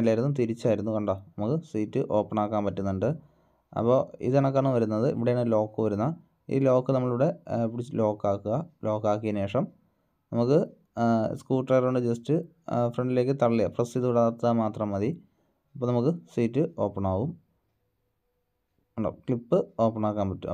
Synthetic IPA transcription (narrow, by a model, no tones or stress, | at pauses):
nɐlːaːjiɾunːumt̪iɾit͡ɕːaːjiɾunːukɐɳɖoːnɐmukːɨsiːtːɨʔo̞ːpːɐɳaːkːaːnpɐtːunːuɳɖɨ | ɐ̰pːo̞ːḭðɐɳɐkːaːɳːɨʋɐɾunːɐðɨʔḭʋiɽejaːɳːɨlo̞ːkːɨʋɐɾunːɐ | ḭːlo̞ːkːɨnɐmːɐɭuɽe̞pːɽit͡ɕːlo̞ːkːaːkːuɣɐlo̞ːkːaːkːijɐne̞ːʂɐm | nɐmukːɨ | skuːʈrɐjroɳɖɨd͡ʑestɨ | freɳɖile̞ːkːɨt̪ɐɭːijɐprɐsiðuuɽaːt̪ːamaːt̪rɐmːɐði | ɐpːonɐmukːɨsiːtːɨʔo̞ːpːɐɳaːʋum | uɳɖo̰ːkɭipːɨo̞ːpːɐɳaːkːaːnpɐtːṵ